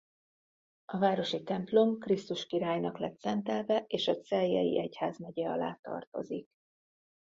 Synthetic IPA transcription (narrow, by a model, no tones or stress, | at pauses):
ɒvaːɾo̞ʃit̪ɛmplo̞mkrist̪uʃkiɾaːjnɒklɛt̪sɛnt̪ɛlvɛʔeːʃɒt̪sɛljɛ̰jḭʔɛchaːzmɛɟɛɒla̰ːt̪ɒ̰rt̪o̞̰zik